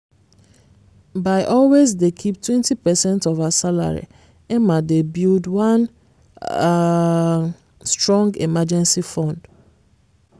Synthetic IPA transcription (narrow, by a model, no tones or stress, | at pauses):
baɪʔɔlwezdekʰip̚twɛ̃ntipɛsɛ̃ntɔvasala̰ɹḭ | ɪ̃mãdebildwãn | stɹɔ̃ŋɡḛmad͡ʒɛ̃nsifɔ̃nd̥